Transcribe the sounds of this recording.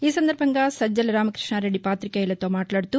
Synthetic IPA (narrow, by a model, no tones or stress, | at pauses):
iːsɐnd̪ɐɾbʱɐŋɡɐsɐd͡ʒːɐlɐɾaːmɐkɾɪʂɳaːɾeɽipaːt̪ɾikɛjɐlɐt̪ːoːmaːʈlaːɽt̪u